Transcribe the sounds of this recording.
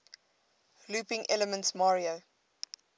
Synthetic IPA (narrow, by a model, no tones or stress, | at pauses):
luːpɪ̃ŋʔɛləmə̃ntsmɑːɹio